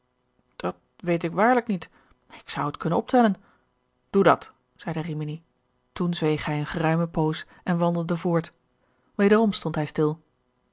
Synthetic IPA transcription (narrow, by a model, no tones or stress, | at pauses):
d̥ɑt̚ | ʋejt̬ɪkʋaːɹləknit | ɪksʌwətkʰɵnənɔp̚tɛlən | d̥udɑ̰t | z̥ɛjdərimini | tunzʋejχɛjənχərœɥməpows | ʔɛnʋɑndəl̩ˠdəvʊːɹt | ʋejdərɔmstɔntɦɛjstɪlˠ